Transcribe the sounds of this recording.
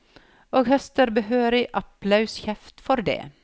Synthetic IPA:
oːɡhœst̪əɾbəhøːɾɪʔɑplɑʉsçɛft̪fɔɾd̪ḛː

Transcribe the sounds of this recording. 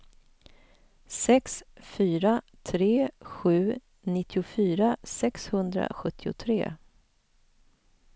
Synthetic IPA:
sɛksfyːɾa | t̪ʰɾeːɧʉ̟ː | nɪt̪ʰːɪʊfyːɾasɛkshɵnd̪ɾa̰ɧɵt̪ʰːɪʊ̰t̪ʰɾḛː

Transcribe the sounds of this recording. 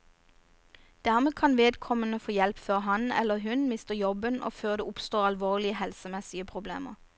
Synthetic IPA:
d̪̥æʁmeːkʰɑnʋeːd̪kʰɔmənəfoːjɛlpføːʁɦɑnɛ̰ləʁɦʉnmɪst̪əjɔbəno̰ːføːʁd̪eːʊpst̪oːʁɑlʋoːlɪəhɛlsəmɛsɪəpʰʁʊblḛːməʁ

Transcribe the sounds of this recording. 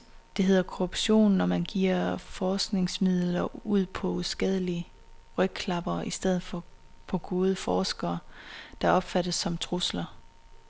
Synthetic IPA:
d̥e̝ɦe̝ð̞̰ˠɐkʰoʁub̥ɕo̝̰ːnːɒmænɡ̥iɐ̰fɒːsɡ̥ne̝ŋsmið̞̰ˠlɐuð̰ˠpʰɒ̽uðˠsɡ̥ɛð̞ˠəliə | ʁœɡ̥̚kʰlɑ̈b̥ɐisd̥eð̞̰ˠð̩ˠfɒ̽ | pʰɒ̽ɡ̥o̝ːð̞ˠəfɒːsɡ̥ɐːd̥ɑ̈ɒ̽b̥fæɾ̥əsːɒ̽mt͡sʰʁuslɐ

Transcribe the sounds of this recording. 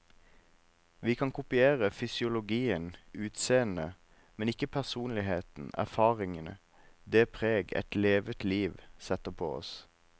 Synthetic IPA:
ʋiːkʰɑnkʊpɪeːʁəfʏsɪʊlʊɡiːənʉːt̪seːənə | mɛnɪkəpʰæʁsuːnlɪheːt̪n̩æ̰ʁfɑːʁɪŋənə̰ | d̪eːpʰʁeːɡɛ̰t̪leːʋət̪liːʋsɛt̪əpʰo̰ːɔ̰s

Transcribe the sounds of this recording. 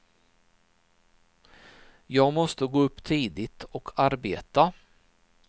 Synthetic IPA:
jɑːɡmɔst̪əɡoːɵpːt̪ʰiːd̪ɪt̪ʰɔkʰaɾbeːt̪a

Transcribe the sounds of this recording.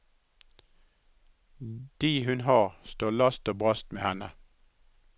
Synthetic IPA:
d̪̥iːhʉnhɑːʁst̪oːlɑst̪oːbʁɑst̪mḛːhɛnə

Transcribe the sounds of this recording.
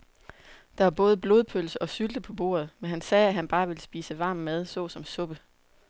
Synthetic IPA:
d̥ɑ̈ʋɑ̈b̥ɔ̽ːð̞̩ˠb̥lo̝ːð̞ˠpʰøl̰səʔɒ̽syld̥əpʰɒ̽b̥o̝̰ːɐð̞̩ˠmenɦænsɛːæɦænb̥ɑ̈ːʋe̝ləsb̥ḭːsəʋɑ̈ːmmeð̞ˠsɔ̽ːsɒ̽msɔ̽b̥ə

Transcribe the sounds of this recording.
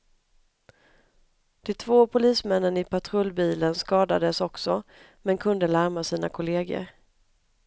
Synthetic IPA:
d̪̥ɛt̪ʰvoːpʰʊliːsmɛnːənɪpʰat̪ʰɾɵlːbiːlənskɑːd̪ad̪əsɔksɔ | mɛnkʰɵnd̪əlaɾmasiːnakʰʊleːɡə̰ɾ

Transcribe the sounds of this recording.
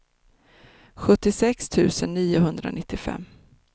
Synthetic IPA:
ɧɵt̪ːɪsɛkst̪ʰʉ̟ːsənːiːʊɦɵnd̪ɾa̰nɪt̪ːɪfɛ̰mː

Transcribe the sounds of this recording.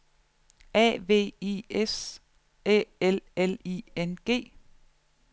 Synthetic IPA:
ɛ̰ːʋe̝̰ːiːes | eeleliːenɡ̥e̝̰ː

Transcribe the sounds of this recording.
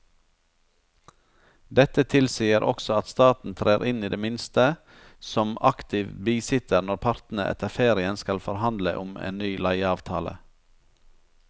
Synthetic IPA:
d̪ɛt̪ət̪ʰɪlsiːəɾʔɔ̰ksɔɑt̪st̪ɑːt̪n̩t̪ʰɾeːɾʔɪniːd̪eːmɪnst̪ə | sɔmɑkt̪ʰɪʋbiːsɪt̪ʰəɾnɔɾpʰɑɾt̪n̩əʔɛ̰t̪ʰəfeːɾɪənskɑlfɔɾhɑnd̪lə̰ʔʊmḛːnnyːlæɪɑːʋt̪ʰɑ̰ːlə̰

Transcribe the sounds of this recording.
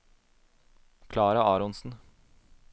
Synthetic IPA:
kʰlɑːɾɑɑːɾɔnsn̩

